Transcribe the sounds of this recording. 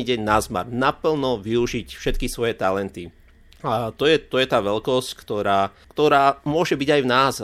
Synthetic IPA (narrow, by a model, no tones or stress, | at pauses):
iɟɛɲnazma̰ɾnapl̩nɔʋiuʒicfʃɛt̪kisʋɔjɛt̪alɛnt̪i | at̪ɔjɛt̪ɔjɛt̪aːʋɛlkɔsckt̪ɔɾaːkt̪ɔɾaːmʊɔʒɛbiɟajvnaːz